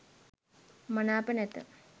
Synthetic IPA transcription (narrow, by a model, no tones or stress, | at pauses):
mɐnaːpɐnet̪ːɨ̰